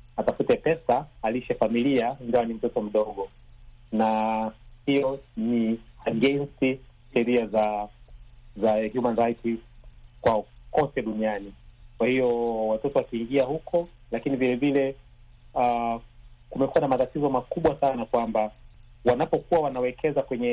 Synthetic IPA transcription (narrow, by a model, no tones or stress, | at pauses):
atafutɛpɛsaaliʃɛfamiliandawanim̩tɔtɔm̩ɗɔɠɔ | na | hijɔniaɡɛnsiʃɛɾiaza | zahjumanɾajtikwakɔtɛɗunianikwahijɔwatɔtɔwakiːŋɡiahukʰɔ | lakinivilɛvilɛ | a | kumɛkuanamatatizɔmakuɓwasanakwambawanapɔkuwawanawɛkʰɛzakwɛɲɛ